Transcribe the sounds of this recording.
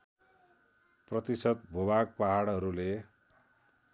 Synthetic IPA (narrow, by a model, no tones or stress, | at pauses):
prʌt̪isʌd̪bʱobaɡ̚paɦaɽɦʌɾule